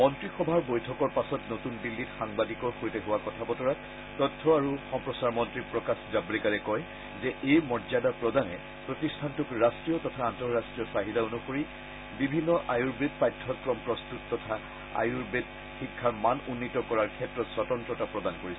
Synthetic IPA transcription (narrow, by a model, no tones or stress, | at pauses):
mɔntɹixɔbʱaɹbojtʰɔkɔɹpasɔtnotundilːitxaŋbadikɔɹxoɹitɛɦʊwakɔtʰapɔtɔɹat | tɔtʰːɔaɹuxɔmpɹɔsaɹmɔntɹipɹɔkaszablikaɹɛkɔj | zɛʔejmɔɹzadapɹɔdanɛ | pɹotistʰantukɹastɹijɔtɔtʰaːntɔɹastɹijɔsaɦidaonuxoɹi | bibʱinːɔʔajuɹbed̚pajdʰʱːɔkɹɔmpɹɔstutːɔtʰa | a̰juɹbed̚ | xikʰːaɹmanunːitɔkɔɹaɹkʰɛtːɹɔtswɔtɔntɹɔtapɹɔdankoɹisɛ